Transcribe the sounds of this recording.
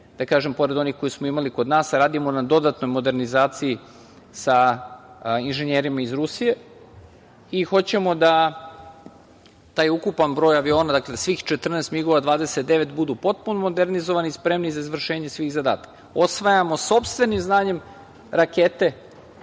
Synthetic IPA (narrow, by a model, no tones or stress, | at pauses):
d̪̥akaːʒempo̞ɾed̪o̞nixko̞jismo̞imaliko̞d̪naːsɾaːd̪imo̞nad̪o̞d̪at̪no̞jmo̞d̪e̞ɾnizaːt̪sii | sa | inʒeɲeːɾimaizɾusije̞ | ixo̞t͡ɕe̞mo̞d̪a | t̪aːjukupanbɾojaʋio̞ːnad̪aklesʋiːxt͡ʃet̪r̩neːst̪miɡoʋad̪ʋaːd̪eset̪̚d̪eʋe̞t̪bud̪upo̞t̪̚punomo̞d̪eɾnizoʋanispɾe̞mnizaizʋr̩ʃe̞ːɲesʋiːxzad̪a̰ːt̪ḁkao̞sʋajamo̞so̞pst̪ʋe̞nimznaːɲe̞m | ɾaket̪e̞